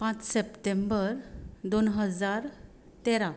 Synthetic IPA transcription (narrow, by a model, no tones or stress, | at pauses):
pãt͡ssepʈembəɾd̪onɦəd͡zaɾ | t̪eɾa